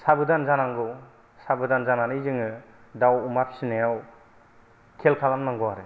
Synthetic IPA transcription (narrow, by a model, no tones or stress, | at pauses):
sabɯdanzanaŋɡɯw | sabɯdanzananɯjzɯŋɯ | dawumapʰi̥sinajaw | kʰelkʰalamnaŋɡɔwaɾɯ